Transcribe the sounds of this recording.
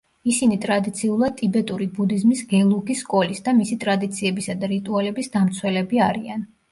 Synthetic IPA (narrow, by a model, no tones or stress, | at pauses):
isinit̪ʼɾad̪it̪sʰiulˠad̪̚t̪ʼibɛt̪ʼuɾibud̪izmisɡɛlˠuɡisːkʼɔlisd̪amisit̪ʼɾad̪it̪sʰiɛbisad̪aɾit̪ʼualɛbisd̪amt̪sʰwɛlɛbiaɾian